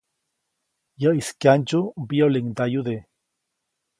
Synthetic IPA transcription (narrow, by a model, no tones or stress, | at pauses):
jəiskjand͡ʒubioliŋd̪ajuðe